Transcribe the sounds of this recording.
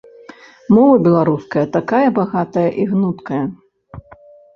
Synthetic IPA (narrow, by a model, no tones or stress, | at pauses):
mɔvɐbʲɛlˠaɾuskɐjɐt̪akajɐbaɣat̪ɐjɐʔiɣnut̪kɐjɐ